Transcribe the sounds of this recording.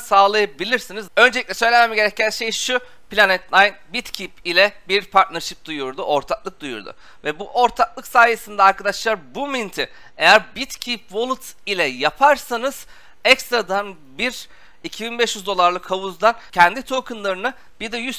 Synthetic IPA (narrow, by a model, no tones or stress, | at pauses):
saːlˠajabilʲiɾsinizø̞nd͡ʒeiclʲɛsø̞jlʲememiɟe̞ɾɛcːænʃe̞jʃu | pilʲanɛt̪lʲˠajnbit̪cʰipilʲɛbiɾpʰaɾt̪naɾʃip̚d̪ujuɾd̪uʔo̞ɾt̪ʰaklˠɯk̚d̪̥ujṵɾd̪ʊ̰ | vɛbuʔo̞ɾt̪ʰak̚lˠɯksaːjesɯnd̪ɛaɾkad̪aʃlˠaɾbumint̪ʰɪ | e̞jæɾbit̪cʰipvo̞lˠut̪ilʲɛjapʰaɾsanɯz̥ | ɛkst̪ɾad̪an | biɾ | icʰibinbɛʃjyzd̪o̞lˠaɾlˠɯkʰhavuzd̪ancʰɛnd̪it̪ʰo̞kʰɯnlˠaɾɯnɯ | biɾd̪ɛjys